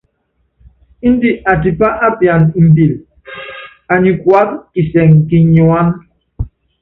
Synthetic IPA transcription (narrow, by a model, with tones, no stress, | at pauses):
i˦n̩˦di˦ʔa˨ti˨pa˦ʔa˦pja˨ni˨m̩˨bi˨l | a˨ɲi˨kwa˦k̚ki˨sɛ˨ŋki˨ɲu˨a˦n